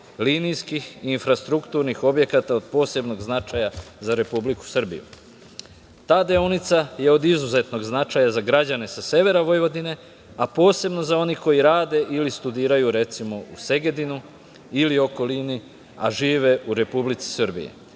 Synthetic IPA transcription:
linijskixiːnfɾast̪ɾukt̪uɾnixo̞bje̞kat̪ao̞d̪̚po̞ːse̞bno̞ɡznat͡ʃajazaɾe̞publiku̥sr̩bḭjṵ | t̪aːd̪eonit̪saje̞o̞d̪izuze̞t̪no̞ɡznat͡ʃajazaɡɾad͡ʑane̞sase̞ʋe̞ɾaʋo̞jʋo̞d̪ine̞ | apo̞ːse̞bno̞zao̞niko̞jiɾaːd̪e̞ʔilist̪ud̪iːɾajuɾe̞t̪simo̞use̞ɡe̞d̪inu | ilio̞ko̞lini | a̰ʒiːʋe̞uɾe̞publit̪si̥sr̩bḭjḛ

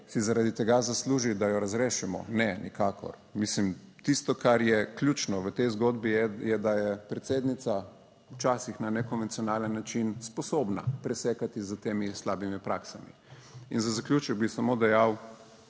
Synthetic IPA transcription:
sizaɾad̪it̪ɛɡazasluːʒid̪ajɔɾazɾeːʃɛmɔ̰nɛnḭkʰaːkʰɔ̰ɾ | mislimt̪ist̪ɔkaɾjɛklʲjuːt͡ʃnɔʋət̪ɛjzɡoːd̪bijɛd̪ajɛpɾɛt̪seːd̪nit̪sa | wt͡ʃaːsixnanɛkɔnʋɛnt̪sijɔnaːlənːat͡ʃinspɔsoːbna̰pɾɛsɛːkat̪izət̪eːmislaːbimipɾaksamḭ | inzazaklʲjuːt͡ʃɛɡ̚bisamod̪ɛjaw

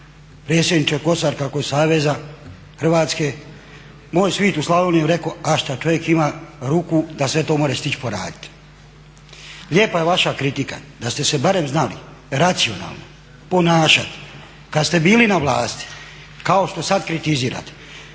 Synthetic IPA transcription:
pɾe̞ːt̪sjed̪nit͡ʃeko̞saɾkakosaːʋe̞za | xr̩ʋaːt̪ske̞ | moːjsʋiːt̪uslˠaʋolnijeɾe̞ko̞aʃt̪at͡ʃo̞ʋje̞kimaːɾuːkud̪asʋe̞t̪o̞ːmoːɾest̪it͡ʃi̥po̞ɾa̰ːd̪i̥t̪ | lʲje̞ːpajeʋaʃakɾit̪ika̰d̪ast̪e̞se̞baɾe̞mznalḭ | ɾat̪sio̞na̰ːlˠno̞̰ | po̞naːʃa̰t̪ | kad̪st̪e̞biːlinaʋlaːst̪i̥ | kao̞ʃt̪o̞sad̪kɾit̪iziːɾa̰t̪e̥

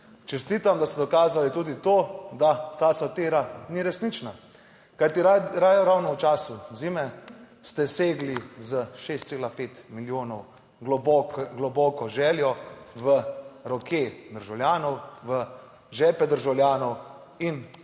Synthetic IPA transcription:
t͡ʃɛst̪iːt̪amd̪ast̪ɛd̪ɔkaːzalit̪uːd̪it̪oːd̪at̪aːsat̪eːɾaniɾɛsnit͡ʃna | kajt̪iɾajɔɾawnɔwt͡ʃaːsuziːmɛ | st̪ɛseːɡlizəʃest̪seːlapeːt̪miljoːnɔw | ɡlɔbɔkɔʒɛːljɔʋəɾɔked̪əɾʒawljaːnɔwʋə | ʒɛːpɛd̪əɾʒawljaːnɔw | in

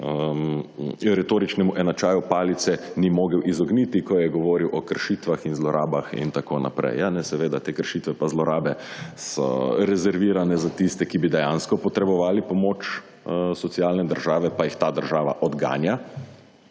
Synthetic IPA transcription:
əmɾɛt̪oːɾit͡ʃnɛmuʔɛnat͡ʃaːjupaːlit̪sɛnimoːɡəwʔizɔɡnit̪ikɔjɛɡɔʋɔːɾiwʔɔkəɾʃiːt̪ʋaxinzlɔɾʔaːbaxḭnt̪akoːna̰pɾɛ̰janɛsɛʋeːd̪at̪eːkəɾʃiːt̪ʋɛpazlɔɾaːbɛsɔ̰ɾɛzɛɾʋiːɾanɛzat̪ist̪ɛkibid̪ɛjanskɔpɔt̪ɾɛbɔʋaːlipɔmoːt͡ʃ | sɔt̪sialnɛd̪əɾʒaːʋɛpajixt̪aːd̪əɾʒaːʋa̰ʔɔd̪ɡa̰ːnja

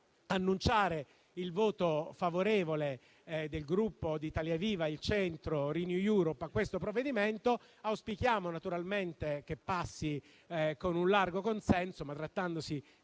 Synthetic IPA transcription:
anːunt͡ʃaːɾe | ilvoːt̪ofavoɾeːvole | d̪elɡɾupːod̪it̪aljaviːvailt͡ʃɛnt̪ɾoɾinjujuːɾopːakːwest̪opɾovːed̪iment̪o | awspik̟jaːmonat̪uɾalment̪ek̟epːasːi | konunlarɡokonsɛnsomat̪ːɾat̪ːand̪osi

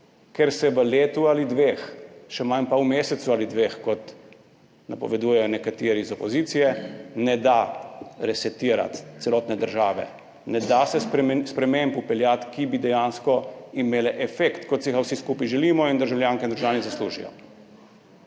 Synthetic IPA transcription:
kɛɾsɛʋəleːt̪ualid̪ʋeːxʃɛmanpauwmeːsɛt̪sualid̪ʋeːxkɔt̪ | na̰pɔ̰ʋɛd̪ujɛjɔnɛkat̪eːɾizɔpɔziːt̪sijɛnɛd̪aɾɛsɛt̪iːɾa̰t̪t̪sɛlɔːt̪nɛd̪əɾʒaːʋɛ̰ | nɛd̪asɛsɾspɾɛmembupɛljat̪kibid̪ɛjanskɔimeːlɛʔɛfekt̪kɔt̪siixawsiskuːpiʒɛliːmɔind̪əɾʒawljaːŋkɛnd̪əɾʒaːnizasluːʒḭjɔ̰

